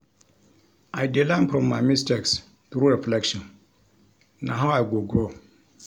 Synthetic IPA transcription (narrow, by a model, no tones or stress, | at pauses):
aɪdilãmfɾɔ̃mːamisteks | θɾuɾɛflɛkʃɔ̃n | nã̰ɦãaɡoɡɾo